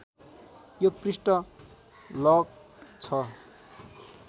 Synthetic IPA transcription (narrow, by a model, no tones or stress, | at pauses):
joprisʈʌ | lʌɡ̚ | t͡sʰʌ